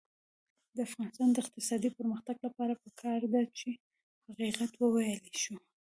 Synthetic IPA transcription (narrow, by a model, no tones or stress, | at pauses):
d̪əafɣɑnɪst̪ɑnd̪əɪqt̪ɪsɑd̪ipəɾməxt̪aɡlapɑɾapəkʰɑɾd̪at͡ʃe | haqiqat̪wəwajəleʃu